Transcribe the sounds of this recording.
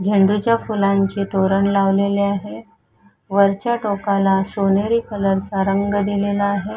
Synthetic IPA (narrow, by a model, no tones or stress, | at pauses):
d͡ʑʱəɳɖut͡ɕjafulaɲt͡ɕet̪oɾənlaʋleleaɦe | ʋəɾt͡ɕjaʈokalasoneɾiːkələɾt͡saɾəŋɡd̪ilelaːɦe